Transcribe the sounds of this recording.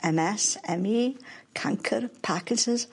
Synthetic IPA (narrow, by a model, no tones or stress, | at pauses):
ɛmɛsɛmikʰãŋkʰə̰ɾpʰakɪd͡ʒɪz̥